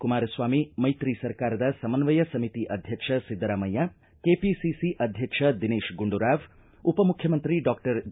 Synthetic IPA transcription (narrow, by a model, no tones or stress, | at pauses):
kumaːɾɐswamimɐjt̪ɾisɐɾkaːɾɐd̪asɐmɐnʋɐjɐsɐmit̪iʔɐd̪ʱjɐkʂʰɐsid̪ːɐɾamɐjːa | kepisisiʔɐd̪ʱjɐkʂʰɐd̪ineːʃɡuɳɖuɾaʋ | upɐmukʰːjɐmənt̪ɾiɖɔkʈɐɾ